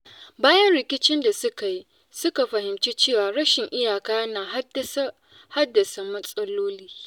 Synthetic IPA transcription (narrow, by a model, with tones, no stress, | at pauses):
baː˦jɐ˦nɾɪ˨kʲɪ˦t͡ʃɪ˦nda˨sʊ˦ka˨ji˦ | sʊ˦ka˨ɸɐ˨hɪ˨mt͡ʃiː˦t͡ʃeː˦˨waː˨ɽɐ˦ʃɪ˨ŋʔɪ˦jaː˨kaː˦jɐ˦naː˨ɦs | ha˦dːɐ˨sa˨mɐ˦sʼɐ˦loː˦liː˦